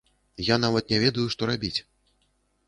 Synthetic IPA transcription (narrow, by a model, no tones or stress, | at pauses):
jan̪avɐt̪̚nʲɛvʲɛd̪ɐjuʂt̪ɔɾabʲit͡sʲ